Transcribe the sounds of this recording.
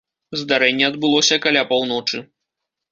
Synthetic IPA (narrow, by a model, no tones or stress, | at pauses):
zd̪aɾɛnʲːɛɐd̪̚bɨlˠɔsʲɐkalʲapawnɔt͡ʂɨ